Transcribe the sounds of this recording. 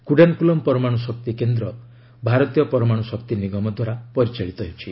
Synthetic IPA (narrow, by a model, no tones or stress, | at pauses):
kuɖankulɔmpɔɾɔmaɽ̃ɔsɔkt̪ikend̪ɾɔ | bʱaɾɔt̪ijɔpɔɾɔmaɽ̃ɔsɔkt̪iniɡɔmɔd̪ʱwaɾapɔɾit͡ʃaɭit̪ɔɦewt͡ʃʰi